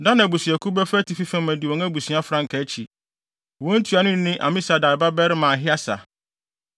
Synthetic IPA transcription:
dã˦nã˨bu˨sĩ˨æ˨kʰu˦bɛ˦fɾæ˦tʰi˨fi˦fɛ̃˦mæ̃˨di˨wɔ̃˨˦æ˦bu˨sĩ˨˦a˦fɾã˦ŋ̩˨kʰa˨˦t͡ɕʰi˨ | wɔ̃˦n̩˦tʰu˨˦a˨nʊ̃˦n˦nɪ̃˦ʔa̰˨mɪ̃˦sa˨da˨ɾba˦bɛ˦ɾɪ˦mãː˨ɦɪ˦a˦sa̰˨

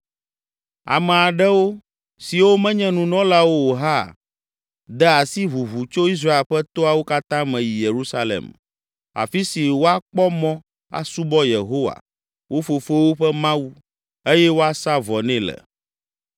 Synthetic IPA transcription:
a̰˨mɛ˨a˨ɖɛ˦wo˦ | si˨wo˦mɛ̃˦ɲɛ̃˦nũ˨nɔ̃˦la˦wo˦wo˨ɦa˦˨ | d̪ɛ˦a˨si˦βu˨βu˨t͡ʃo˦i˦s̬ɾa˦e˨lɸɛ˦t̪o˦a˨wo˦ka˦t̪ã˦mɛ̃˨ji˨je˨ɾu˦sa˦lḛ˨m | a̰˨fi˦si˨wo˦a˦k͡pɔ˦mɔ̃˦ | a̰˨su˦bɔ˦je˨ɦo˦wa̰˨ | wo˦fo˨fo˦wo˦ɸɛ˦mã˦wu˦ | e˦jɛ˦wo˦a˦sa˦vɔ˨nɛ̃˦lɛ̰˨

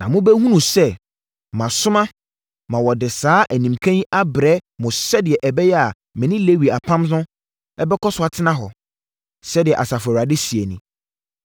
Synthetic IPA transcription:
nã˨mʊ̃˦bɛ˦ɦũ˦nũ˨sɛ˦ | mã˨sʊ˦mã˦ | mã˨wɔ˨dɪ˨saː˨˦ʔæ˨nĩ˨mkʰã˦ji˦ʔa˦bɾɛ˦mʊ̃˨sɛ˦dɪ˨ɛ˨ʔɛ˨bɛ˦jɛ˦a˨ | mɪ̃˨nɪ̃˦le˦wi˨a˨pʰã˦mnʊ̃˦ | ɛ˦bɛ˦kʰɔ˦sʊ˦a˨tʰɪ˦nã˦ɦɔ˨ | sɛ˦dɪ˨ɛ˨ʔa˨sa˨fa˨a˨dɪ˦si˨e˨nĩ˨

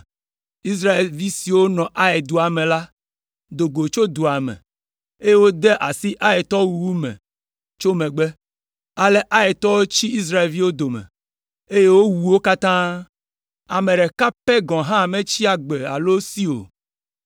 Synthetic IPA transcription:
i˦s̬ɾa˦e˨lvi˦si˨wo˦nɔ̃˨ʔa˦e˨d̪o˨a˨mɛ̃˨la˦ | d̪o˨ɡo˨t͡ʃo˦d̪o˨a˨mɛ̰̃˨ | e˦je˦wo˦d̪ɛ˦ʔa˨si˦ʔa˦e˨t̪ɔ˦wu˨wu˦mɛ̰̃˨ | t͡ʃo˦mẽ˨ɡ͡bɛ˦ | a˨lɛ˦ʔa˦e˨t̪ɔ˦wo˦t͡ɕi˦i˦s̬ɾa˦e˨lvi˦wo˦d̪o˨mɛ̰̃˨ | e˦je˦wo˦wu˨wo˦ka˦t̪ã˦ | a˨mẽ˨ɖɛ˨ka˦pɛ˦ɡɔ̃˨ɦã˦˨mẽ˦t͡ɕi˦a˨ɡ͡be˨a̰˨lo˦si˦o̰˨

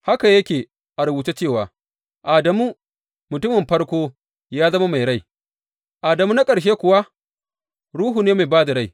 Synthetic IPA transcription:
ha˦ka˨jɐ˦kʲeː˨ | ʔa˨ɾʊ˨buː˨te˦t͡ʃeː˦˨waː˨ | ʔaː˨dɐ˨muː˦ | mʊ˨tʊ˦mɪ˨mɸɐ˦ɽkʷoː˦ | jaː˦zɐ˦ma˦ma˨jɽa˦j | ʔaː˨dɐ˨muː˦na˦kʼɐ˨ɽʃ̬eː˦kʷʊ˨wa˦ | ɽuː˦ɦu˨neː˦ma˨jbaː˦da˨ɽa˦j

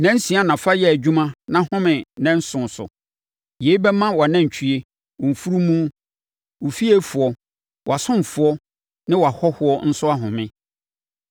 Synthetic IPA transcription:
nɛ̃˦n̩˦sĩ˨˦a˦nã˨fa˦jɛ˦æ˨d͡ʑᶣũ˦mã˦nã˦hʊ̃˦mɪ̃˨nɛ̃˦n̩˦sʊ̃˨n˨sʊ̰˨ | je˨˦i˦bɛ˦mã˦wa˨nɛ̃˦˨t͡ɕʰᶣi˨e˦ | wʊ˨m̩˨fu˦ɾu˦mũ˦ | wʊ˨fi˦e˦fʊ˨ɔ˨ | wɔ˨a˨sʊ̃˦m˨fʊ˨ɔ˦ | nɪ̃˦wɔ˨a˨hɔ˦hʊ˨ɔ˦n̩˦sʊ˦a˦ɦʊ̃˨mɪ̃˦

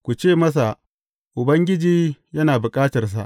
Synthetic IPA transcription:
kʷu˨t͡ʃeː˦˨mɐ˦s̬a˨ | ʔʊ˨bɐ˦ŋɡʲɪ˦d͡ʒiː˦jɐ˦naː˨bʊ˨kʼaː˦tɐ˨rs̬a̰˨ʔ

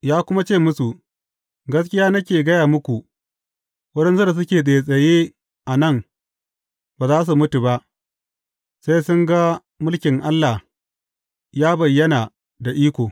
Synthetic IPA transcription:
jaː˦kʷʊ˦ma˦t͡ʃeː˦˨mʊ˦su˨ | ɡɐ˦s̬kʲɪ˦jaː˦nɐ˦kʲeː˨ɡɐ˦jaː˨mʊ˦kʷu˨ | wɐ˦ɗɛ˦nsu˦da˨s̬ʊ˦kʲeː˨ɗeː˨sʼɐ˨jeː˦ | ʔa˨nɐ˦˨ŋ | baː˨zaː˦s̬u˨mʊ˦tu˨ba˦ʔ | se˦jsʊ˦ŋɡa˦ | mʊ˦lkʲɪ˨ŋʔa˦lːa˨ | jaː˦bɐ˨jːɐ˦na˨ | da˨ʔiː˦kʷoː˨

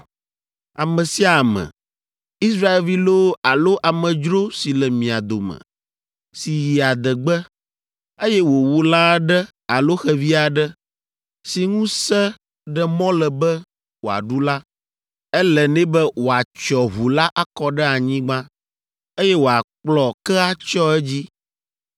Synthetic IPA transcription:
a˨mɛ̃˨si˦a˨mɛ̰˨ | i˦sɾa˦e˨lvi˦lo˦a˨lo˦ʔa˨mɛ̃˨d͡ʒɾo˦si˨lɛ˨mĩ˨a˨d̪o˨mə̰̃˨ | si˨ji˨a˨d̪ə˨ɡ͡bɛ˦ | e˦jɛ˦wo˨wu˨˦la˦ɖɛ˦ | a˨lo˦xɛ˦vi˦a˨ɖɛ˦ | si˨ŋũ˦sɛ˦ | ɖɛ˨mɔ̃˦lɛ˨bɛ˦ | wo˨a̰˨ɖu˦la˦ | ɛ˦lɛ˨nɛ̃˦bɛ˦wo˨a˨t͡ʃɔ˨ɦu˨la˦ʔa˦kɔ˦ɖɛ˦a˨ɲĩ˦ɡ͡bã˦ | e˦jɛ˦wo˨a˨k͡plɔ˨kɛ˦a˦t͡ʃɔ˦ɛ˦d͡ʑi˦

